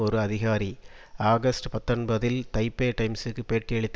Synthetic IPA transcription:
ɔɾɯɐðɪɣaːɾi | aːɡɐsʈpɐt̪ːɐnbɐðɪlt̪ɐɪpːeːʈɐɪmsɯkːɯpeːʈːɪɛɭɯt̪ː

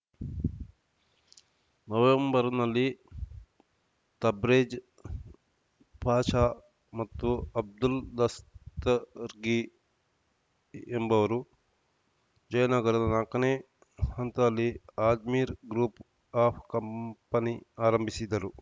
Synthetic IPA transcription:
nɐʋembɐɾnɐlːi | t̪ɐbɾeːd͡ʒ | paːʂaː | mɐt̪ːuɐb̚d̪uld̪ɐst̪ɐɾɡi | embɐʋɐɾu | d͡ʒɐjɐnaɡɐɾɐnɐnaːkːɐneː | hɐnt̪aːlːiaːd̪miːɾɡɾuːp | aːpʰkɐmpɐniaːɾɐmbʱisid̪ɐɾu

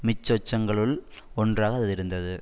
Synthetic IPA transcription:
mɪt͡ʃːɔt͡ʃːɐŋɡɐɭɯɭɔndraːɣɐːððɪɾɯnd̪ɐðɯ

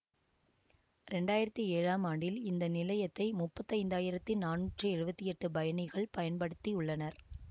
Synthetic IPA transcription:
ɾɛɳɖaːjɪɾɐt̪ːieːɻaːmaːɳɖɪlɪnd̪ɐnɪlɐjɐt̪ːɐɪmʊpːɐt̪ːɐɪnd̪aːjɪɾɐt̪ːinaːnuːʈrɯɛɻɯbɐt̪ːiɛʈːɯbɐjɐnɪɣɐɭpɐjɐnpɐɽɯt̪ːiʊɭːɐnɐɾ

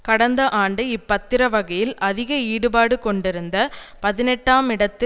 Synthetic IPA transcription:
kɐɽɐnd̪ɐʔaːɳɖɯɪpːɐt̪ːɪɾɐʋɐɣɐjɪlɐðɪɣɐiːɽɯbaːɽɯkɔɳɖɪɾɯnd̪ɐpɐðɪnɛʈːaːmɪɽɐt̪ːɪ

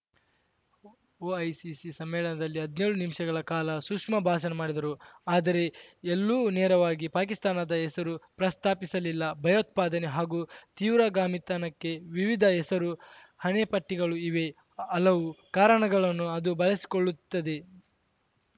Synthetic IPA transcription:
oːɐjsisisɐmːɛːɭɐnɐd̪ɐlːiɦɐd̪neːɭunimʂɐɡɐɭɐkaːlɐsukʂmɐbʱaːʃɐnɐmaːɽid̪ɐɾuaːd̪ɐɾe̞elːuːnɛːɾɐʋaːɡipaːk̬ist̪aːnɐd̪ɐɛsɐɾupɾɐst̪ʰaːpisɐlilːɐbʱɐjoːt̪̚paːd̪ɐne̞ɦaːɡuːt̪iːʋɾaːɡaːmit̪aːnɐkːe̞ʋiʋid̪ʱɐɛsɐɾu | hɐnepɐʈːiɡɐɭuiʋe̞ | ɐlːɐʋukaːɾɐɳɐɡɐɭɐnːuɐd̪ubɐɭɐsi̥ko̞ɭːut̪ːɐd̪e̞

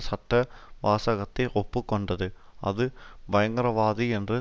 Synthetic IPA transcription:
sɐʈːɐʋaːsɐɣɐt̪ːeʔopːɯkːoɳɖɐðɯ | ɐ̰ðɯʋɐjɐŋɡɐɾɐʋaːðiendrɨ

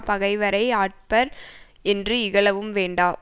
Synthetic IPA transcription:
pɐɣɐɪʋɐɾɐɪaːʈ̚pɐɾ | ɛndrɯɪɣɐɭɐʋɯmʋeːɳɖaː

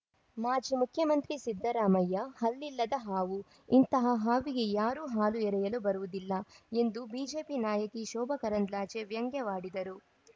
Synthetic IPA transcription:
maːd͡ʒimukʰjɐmɐnt̪ɾisid̪ʱːɐɾaːmɐjːɐhɐlːilːɐd̪ɐɦaːʋu | int̪ɐɦɐɦaːʋiɡe̞jaːɾuːɦaːluɛɾɛjɐlubɐɾuʋud̪ilːɐe̞nd̪ubiːd͡ʒe̞ːpinaːjɐkiʃɔːbʱɐkɐɾɐnd̪laːt͡ʃeʋjɐŋɡjɐʋaːɽid̪ɐɾu

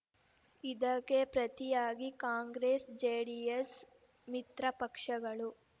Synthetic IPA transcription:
id̪ɐkːepɾɐt̪ijaːɡikaːŋɡɾeːsd͡ʒeːɽijes | mit̪ɾɐpɐkʂɐɡɐɭu

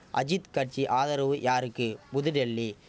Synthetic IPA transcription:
ʔɐ̰d͡ʒɪt̪kɐʈ̚t͡ʃiʔaːðɐɾɐʋɯjaːɾɯkːɯbʊðɯɖɛlːi

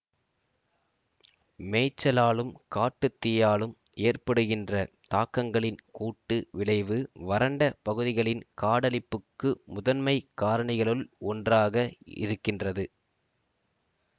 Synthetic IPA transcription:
meːt͡ʃːɐlaːɭɯmkaːʈːɯt̪ːɪjaːɭɯm | eːrpɐɽɯɣɪndrɐ | t̪aːkːɐŋɡɐɭɪnkuːʈːɯʋɪɭɐɪʋɯʋɐɾɐɳɖɐpɐɣɯðɪɣɐɭɪnkaːɽɐlɪpːɯkːɯmʊðɐnmɐɪkːaːɾɐɳɪɣɐɭɯlɔndraːɣɐɪ̰ɾɯkːɪndrɐðɯ

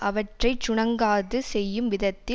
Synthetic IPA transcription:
ʔɐʋɐʈrɐɪt͡ʃʊɳɐŋɡaːðɯsɛjːɯmʋɪðɐt̪ːɪ

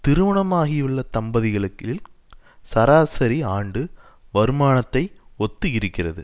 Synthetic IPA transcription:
t̪ɪɾɯʋɐɳɐmaːɣɪjɯɭːɐt̪ɐmbɐðɪɣɐɭɯkːɪl | sɐɾaːsɐɾiaːɳɖɯ | ʋɐɾɯmaːnɐt̪ːɐɪɔt̪ːɯɪɾɯkːɪrɐðɯ

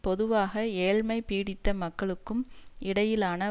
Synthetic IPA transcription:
pɔðɯʋaːɣɐeːɻmɐɪpiːɽɪt̪ːɐmɐkːɐɭɯkːɯmɪɽɐjɪlaːnɐ

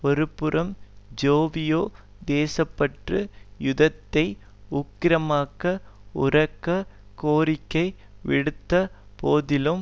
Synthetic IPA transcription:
ɔɾɯpːɯɾʔɐmd͡ʒoːʋɪjoː | d̪eːsɐpːɐʈrɯjʊðɐt̪ːɐɪ | ʊkːɪɾɐmaːkɐʊrɐkːɐkoːɾɪkːɐɪ | ʋɪ̰ɽɯt̪ːɐpoːðɪlɯm

